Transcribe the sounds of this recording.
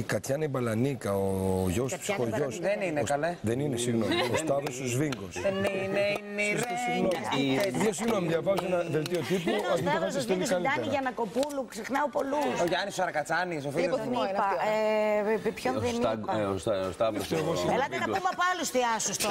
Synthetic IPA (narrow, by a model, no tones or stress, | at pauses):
ikɐt̪çɐnebɐlɐnikɐoʝospsoʝosðeninekɐleðeninesiɣnomiost̪ɐðost̪ozviŋɡoseninensiɣnomðosiɣnomiðʝɐvɐzoenɐðelt̪iot̪ipuɐft̪ifɐsselikɐlliɐɾniʝɐnɐko̞puluksexnɐopo̞lusoʝɐnisosɐɾɐkɐt͡sɐnis̬ofilniɐe | pçonðenisost̪ɐðt̪oɣoselɐt̪enɐomɐpoɐlust̪iɐsust̪